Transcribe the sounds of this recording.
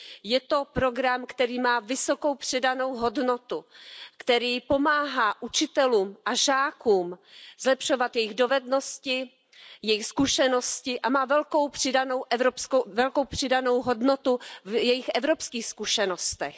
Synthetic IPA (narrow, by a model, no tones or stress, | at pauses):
jɛt̪o̞pɾo̞ɡɾamkt̪ɛɾiːmaːvɪso̞ko̞wpr̝̥ɪdano̞wɦo̞dno̞t̪ukt̪ɛɾiːpo̞maːɦaːʔut͡ʃɪt̪ɛluːmʔaʒaːkuːmz̥lɛpʃo̞vat̪jɛjɪɣdo̞vɛdno̞scɪ | jɛjɪxskuʃɛno̞scɪʔamaːvɛlko̞wpr̥ɪdano̞wʔɛvɾopskovɛlko̞wpr̥ɪdano̞wɦo̞dnot̪uvjɛjɪxʔɛvɾopskiːxskuʃɛnost̪ɛx